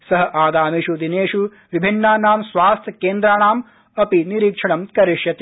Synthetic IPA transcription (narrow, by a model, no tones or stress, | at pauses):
sɐɦɐ̆ʔaːɡ̪aːmiʃud̪ineːʂu | ʋibʱinːaːnaːmsʋaːst̪ʰɐkeːnd̪ɾaːɳaːm | ɐpiniɾiːkʂɐɳɐmkɐɾiʃjɐt̪i